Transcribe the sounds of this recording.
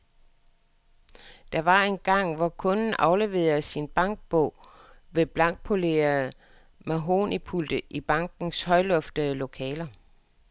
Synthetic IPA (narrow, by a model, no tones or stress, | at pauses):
d̥ɑ̈ʋɑ̈e̝nɡ̥ɑ̈ŋ̰ʋɒkʰɔ̽nn̩ɑ̈ʊle̝ʋe̝ːɐsinb̥ɑ̈ŋ̰ɡ̥̚b̥ɔ̰ʊ̰ | ʋe̝b̥lɑ̈ŋɡ̥̚pʰo̝le̝̰ːɐ | mæɦo̝ːnipʰuld̥əʔib̥ɑ̈ŋɡ̥n̩shɒ̽ɪlɔ̽fd̥əð̩ˠlo̝kʰɛːlɐ